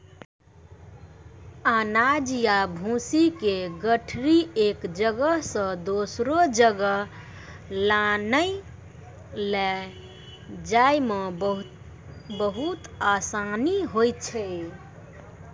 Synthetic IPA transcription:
anad͡ʒjabʱũsikeɡəʈʰɾiekd͡ʒəɡəɦsə̃d̪osɾod͡ʒəɡə | lanəj | lɛ | d͡ʒajme | bəɦut̪asaniɦojt͡ʃʰɛ

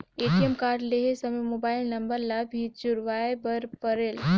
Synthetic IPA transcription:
eːʈiemkaːɾleɦesɐmemoːbaːɪlnɐmbəɾlabʱit͡ʃʊɾʋaːebɐɾpɐɾeːl

